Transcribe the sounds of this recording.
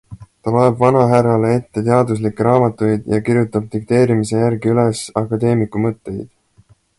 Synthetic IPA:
t̪ɑlo̞e̞bvɑnɑɦæɾɑlee̞t̪ːe̞t̪eɑd̪us̬likːˑeɾɑːmɑt̪ːˑujd̪̥jɑkiɾjut̪ːˑɑb̥̚t̪ik̚t̪e̞ːɾimise̞jæɾɡiyle̞sɑkːˑɑd̪e̞ːmikːˑumɤt̪ːe̞jd̪̥

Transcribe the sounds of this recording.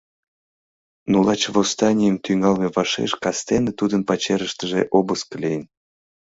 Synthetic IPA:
nulɑt͡ɕvost̪ɑnʲijəmt̪yŋɑlmeβɑʃḛʃkɑst̪enet̪ud̪ənpɑt͡ɕeɾəʃt̪əʒḛʔobəskəlʲijən

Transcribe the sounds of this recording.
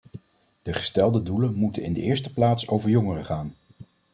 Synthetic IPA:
d̥əχə̥stɛlˠdədulənmutənɪ̰ndə̰ʔɪːɹstə̥plaːtsowvəɹjɔŋərəχaːn

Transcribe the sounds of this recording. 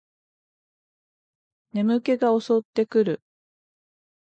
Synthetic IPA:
ne̞mɯ̟ke̞ɡao̞so̞t̪ːe̞kɯ̟ɾɯ̟

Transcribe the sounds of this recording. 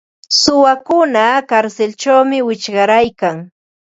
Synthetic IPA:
sʊwakʊnakaɾselt͡ʃawmɪwɪt͡ʃɢɑɾajkaŋ

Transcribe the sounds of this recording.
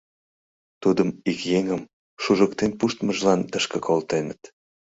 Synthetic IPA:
t̪ud̪əmikjeŋəm | ʃuʒəkt̪enpuʃt̪məʒlɑnt̪əʃkə̆kolt̪enət̪

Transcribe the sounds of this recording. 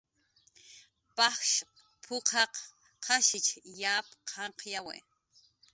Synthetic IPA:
pɑxʃ | pʰʊqʰɑq | qʰɑʃɪt͡ʃjaːpqʰɑɴqjawḛ

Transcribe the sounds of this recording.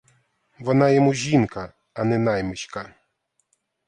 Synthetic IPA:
vɔnajɛmuʑinkaː | nɘnajmɨɕka

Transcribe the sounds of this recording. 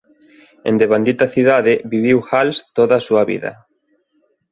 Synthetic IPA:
ḛ̃nd̪eβand̪it̪ɐθiðaðɪβiβiwxalst̪oðɐsuɐβḭðɐ̰

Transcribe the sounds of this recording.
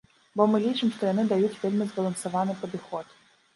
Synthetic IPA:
bɔmɨlʲit͡ʃɨmʂt̪ɔjɐnɪd̪ajutʲvʲɛlʲmʲɨzbɐlˠɐnsɐvanɨpɔd̪ɨxɔt̪

